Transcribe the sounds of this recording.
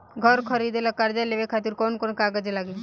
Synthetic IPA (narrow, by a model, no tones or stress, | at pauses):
ɡʱəɾkʰəɾid̪elakaɾd͡ʒaleʋekʰaːt̪iɾkoːnkoːnkaɡəd͡ʒlaɡi